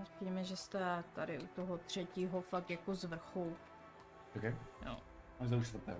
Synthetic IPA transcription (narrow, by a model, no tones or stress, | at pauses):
tiːmɛʒɛst̪ɛt̪aɾɪut̪oɦot̪r̝̥ɛciːɦofak̚t̪jakozvr̩xu | t̪akɛjo̰ː | azd̪ɛuʃt̪v̩t̪ɛ̰ː